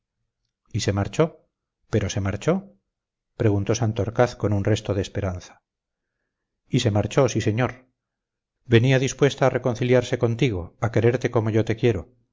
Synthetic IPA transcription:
ise̞maɾt͡ʃo̞ | pe̞ɾo̞se̞maɾt͡ʃo̞ | pɾe̞ɣ̞unt̪o̞sant̪oɾkaθko̞nunre̞st̪oð̞espe̞ɾanθḁ | ise̞maɾt͡ʃo̞sise̞ɲoɾ | be̞niaðispwe̞st̪aːre̞ko̞n̟θiljaɾse̞ko̞nt̪iɣ̞o̞ake̞ɾe̞ɾt̪e̞ko̞mo̞ʝo̞t̪e̞kje̞ɾo̞

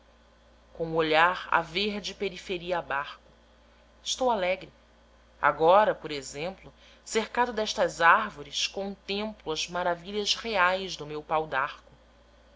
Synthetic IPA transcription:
kõuoʎaɾa̰veɾd͡ʒɪpeɾifeɾiɐːbaɾkʊ | ɪʃt̪owalɛɡɾɪ | a̰ɡɔɾɐpoɾezẽmplʊ | seɾkad̪ʊd̪ɛʃt̪ɐzaɾvoɾiskõnt̪ẽmplʊɐzmaɾaviʎɐzheajzd̪ʊmewpawd̪aɾkʊ

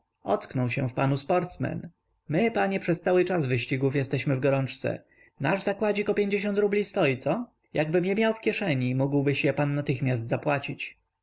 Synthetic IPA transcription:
ɔt̪knɔwɕɛ̃fpanuspɔɾt̪smɛ̰n | mɘpaɲɛpʂɛst̪sawɘt͡ʂazvɘɕt͡ɕiɡufjɛst̪ɛɕmɘvɡɔɾɔnt͡ʂt̪sɛ̰ | na̰ʐzakwad͡ʑikɔpʲjeɲd͡ʑeɕ̬ɔnt̪ɾublʲist̪ɔjit̪sɔ | jaɡbɘmjɛmʲjawfkʲjɛʂɛɲimuɡwbɘɕjɛpanːat̪ɘxmʲjasd̪zapwat͡ɕit͡ɕ

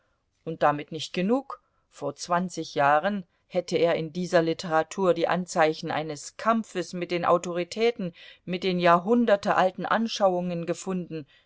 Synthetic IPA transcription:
ʔʊnt̚d̥amɪtnɪçt̚ɡ̥ənuːk | foːɐt͡sv̥ant͡sɪçjaːʁən | hɛtʰəeːɐɪndiːzɐlɪtʰəʁatʰuːɐdiːʔa̰nt͡saɪçn̩ʔa̰ɪnəskʰamfəsmɪt̚d̥eːnʔa̰ʊtoʁ̞itʰɛːtn̩mɪt̚d̥eːnjaːɐɦʊndɐtəʔaltn̩ʔa̰nʃaʊʊŋənɡəfʊndn̩

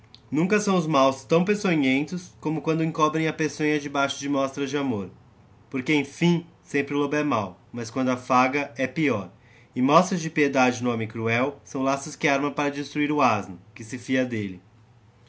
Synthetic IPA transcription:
nũkɐsɐ̃w̃ʊzmawst̪ɐ̃w̃pesoɲẽnt̪ʊskõmʊkwɐ̃nd̪ʊĩkɔbɾẽj̃ɐpesõjɐd͡ʒɪbajʃʊd͡ʒɪmɔst̪ɾɐzd͡ʒɪamoɾ | poɾkeẽj̃fĩ | sẽmpɾɪlobɛmawmɐskwɐ̃nd̪ʊɐfaɡɐɛpiɔɾ | ɪmɔst̪ɾɐzd͡ʒɪpied̪ad͡ʒɪnʊɔ̃mẽj̃kɾuɛwsɐ̃w̃lasʊskɪaɾmɐ̃paɾɐd͡ʒɪst̪ɾuiɾʊaznʊkɪsɪfiɐd̪elɪ

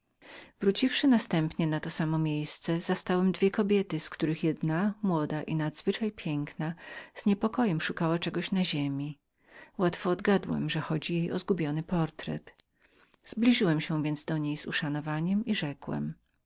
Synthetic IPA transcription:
vɾut͡ɕifʂɘnast̪ɛmpɲɛnat̪ɔsamɔmʲjejst̪sɛzast̪awɛmd̪vʲjɛkɔbʲjɛt̪ɘskt̪uɾɘxjɛd̪namwɔd̪aʔinad̪zvɘt͡ʂajpʲjɛŋknaz̥ɲɛpɔkɔjɛmʂukawat͡ʂɛɡɔɕnaʑemʲi | wat̪fɔːd̪ɡad̪wɛ̰mʐɛxɔd͡ʑijejʔɔ̰zɡubʲjɔnɘpɔɾt̪ɾɛ̰t̪ | z̥blʲiʐɘwɛmɕɛ̃vʲjɛnzd̪ɔɲejz̥ṵʂanɔvaɲɛmiʐɛkwɛ̰m

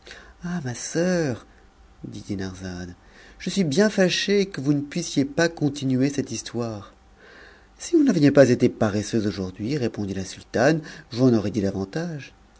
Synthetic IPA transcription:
amasœːʁ | d̪id̪enaʁzan | ʒ̥əsɥibjɛ̃faʃekəvunəpɥisjepakɔ̃t̪inyesɛt̪ist̪waʁ | sivunavəjɛpazet̪epaʁesøzoʒuʁd̪ɥiʁepɔ̃d̪ilasylt̪anvuɑ̃nɔʁed̪id̪avɑ̃t̪aʒ

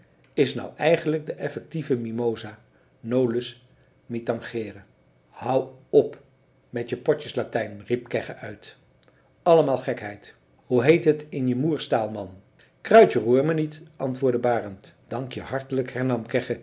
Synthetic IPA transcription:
ɪsnɑ̰wʔɛjχənləɡ̚dəʔɛfɛk̚tivəmimowzaː | nowləs | mitɑŋχɪːrə | hɑwɔp | mɛtəpɔcəslatɛjnrip̚kɛχəʔœɥt | ɑləmaːlˠχɛkɦɛjt | huɦejtɦətɪnjəmuːɹstaːlˠmɑn | krœɥtəruːɹmənitʔɑntʋʊːɹdəbaːrəntd̥ɑŋkjəhɑɹtələkhɛɹnɑmkɛχə

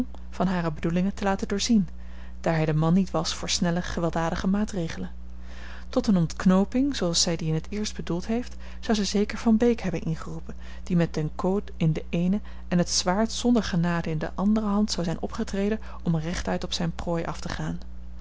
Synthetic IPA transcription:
m | v̥ɑnɦaːrəbədulɪŋətəlaːtədʊːɹzin | d̥aːɹɦɛjdəmɑnːitʋɑsfʊːɹsnɛləχəʋɛlˠdaːdəχəmaːtrejχələn | tɔtənɔntknowpɪŋzoɑlˠsɛjdiɪnɦətɪːɹsd̚bədulˠtɦejft | z̥ɑwzɛjzejkəɹvɑnbejkɦɛbənʔɪnχərupən | d̥imɛt̚dɛnkowtɪndəʔejnə | ɛnɦətsʋaːɹtsɔndəɹχənaːdəɪndə̰ʔɑndərəɦɑntsɑwzɛjnʔɔ̰pχətrejdə | ɔmrɛχtœɥtɔpsɛjnproːjʔɑ̰ftəχaːn

